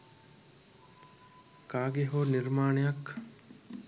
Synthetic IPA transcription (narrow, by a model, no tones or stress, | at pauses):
kaːɡeɦoːniɾmaːɳejak